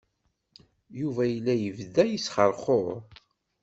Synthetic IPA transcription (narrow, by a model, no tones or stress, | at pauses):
juvæjəlːæjəvðæjisχəɾˤχoɾ